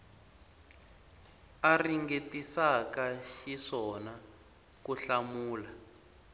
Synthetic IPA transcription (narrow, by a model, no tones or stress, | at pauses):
ariŋɡetisakaʃiʂɔna | kuɬamuːla